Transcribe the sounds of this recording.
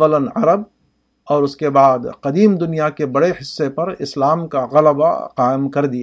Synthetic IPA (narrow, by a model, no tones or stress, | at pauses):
ələnɐɾəb̚ | ɔːɾʊskebaːd̪qɐd̪iːmd̪ʊnijakebɐɽeɦɪsːepɐɾɪslaːmkaɣɐlba̰qaːɪmkɐɾd̪ia